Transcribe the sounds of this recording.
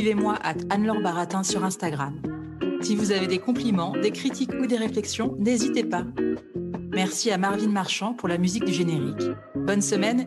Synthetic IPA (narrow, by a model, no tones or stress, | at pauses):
ivemwaʔat̪anlɔʁbaʁat̪ɛ̃syʁɛ̃st̪aɡʁam | sivuzaved̪ekɔ̃plimɑ̃d̪ekχit̪ikud̪eʁeflɛksjɔ̃nezit̪epa | mɛʁsiamaʁvinmaʁʃɑ̃puʁlamyzik̚d̪yʒeneʁik | bɔnsəmɛn